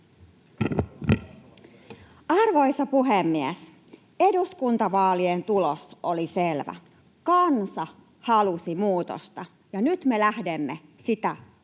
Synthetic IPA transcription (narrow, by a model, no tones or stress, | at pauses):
ɑrʋo̞jsɑpuɦemːies | e̞duskunt̪ɑʋɑːlient̪ulosoliselʋæ̰ | kɑnsɑ | hɑlusimuːt̪o̰st̪ɑ | jɑnyt̪me̞læhde̞mːe | sit̪æ